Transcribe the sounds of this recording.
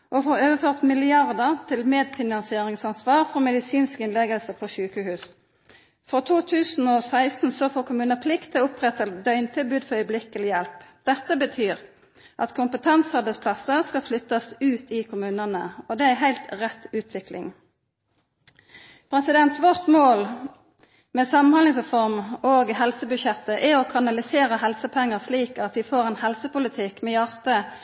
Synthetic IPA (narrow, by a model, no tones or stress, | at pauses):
ʔɔfoːɾøːʋəføːʁt̪mɪlɪɑʁd̪əʁt̪ʰɪlmeːd̪fɪnɑnsɪeːʁɪŋsɑnsʋɑːʁfɔmɛd̪ɪsiːnskɪnlɛɡəlsəpʰɔçʉːkəhʉːs | fʁɔt̪ʰuːt̪ʰʉːsn̩ɔsæɪst̪n̩sɔfoːkʰʊmʉːnəpʰlɪkt̪ʰːɪʊpʁɛt̪əd̪œʏnt̪ʰɪlbʉːd̪fɔɾœʏəblɪkːəlɪjɛlpd̪̥ɛt̪ːəbət̪ʰyːʁ | ʔɑt̪kʰʊmpət̪ʰɛnsɑʁbɛɪspʰlɑsəskɑflʏt̪ːɑsʉːt̪ɪkʰʊmʉːnənəɔd̪ɛæɪɦæɪlt̪ʁɛt̪ʉːt̪ʰʋɪklɪ̰ŋ | pʰʁɛsɪd̪ɛnt̪ʋɔʁt̪moːl | mɛːsɑmɑnhɑnlɪŋsʁɛfɔʁmoːɡɦɛlsəbʉʃɛt̪ːəʔɛokʰɑnɑlɪseːʁəɦɛlsəpʰɛŋːəsliːkɑt̪d̪ɪfoːʁɛnhɛlsəpʊlɪt̪ʰɪkmɛjɑʁt̪ə